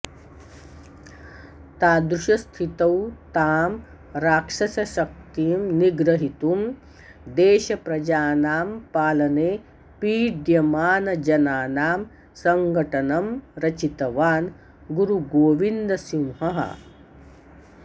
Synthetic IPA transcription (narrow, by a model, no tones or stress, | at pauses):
t̪aːd̪ɾuʃɐst̪ʰit̪ɐwt̪aːm | ɾaːkʂɐsɐʃɐk̚t̪iːmniɡɾɐɦit̪um | d̪eːʃɐpɾɐd͡ʒaːnaːmpaːlɐneː | piːɖjɐmaːnɐd͡ʒɐnaːnaːm | sɐŋɡʱɐʈɐnɐmɾɐt͡ʃit̪ɐʋaːn | ɡuɾuɡoːʋind̪ɐsimɦɐɦɐ̰